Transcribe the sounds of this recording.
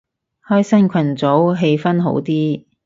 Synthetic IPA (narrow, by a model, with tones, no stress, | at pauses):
hɔː˥jsɐ˥nkʷʰɐ˨˩nt͡so˨˥wɦe˧jfɐ˥nɦo̰˨˥wt̪iː˥